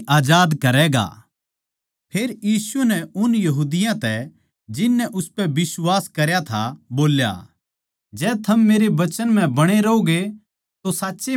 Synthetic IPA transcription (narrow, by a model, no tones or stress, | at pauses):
aːd͡ʒaːd̪kɐɾɛːɡa̰ | pʰeːɾjiːsunɛʊnjɐɦuːd̪ɪjãt̪ɛ | d͡ʒɪnːɛʔʊspɛbɪswaːskɐɾjat̪ʰa̰boːlja̰ | d͡ʒɛːt̪ʰɐmːeːɾeʋɐt͡ʃənm̤ɛ̃bɐɽ̃eɾɐoɡe | t̪osaːtːʃe